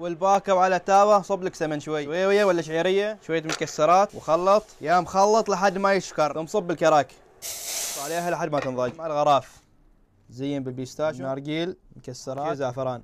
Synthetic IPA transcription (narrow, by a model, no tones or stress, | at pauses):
wɪlbaːkɑwʕalat̪ːaːbasˤɨbːlaksamɪnʃwajːwajːwjːawalːaɪʃ̬ʕiːɾɪjːaʃwajːamʊkasːɑɾˤɑːt̪wxɑlːɑt̪ˤjamxɑlːɨt̪ˤlaħad̪ːmajɪʃkɑɾˤmsˤɨbːɪlkɑɾˤɑːk | ʕaleːɦalʔaħad̪ːmat̪ɨnðˤɑmaʕalɣɑɾˤɑːf | zɪjːɪnbɪlbist̪aːʃmaɾˤɡiːlmʊkasːɑɾˤɑzaʕfɑɾˤɑːn